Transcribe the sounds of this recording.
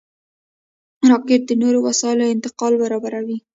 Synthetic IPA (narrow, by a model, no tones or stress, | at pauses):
maɾɑkɪt̪̚d̪ənoɾowasɑɪloɪnt̪ɪqɑlbaɾɑbaɾawi